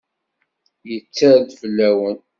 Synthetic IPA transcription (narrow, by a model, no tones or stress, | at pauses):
jət͡sːaɾðvlːæwən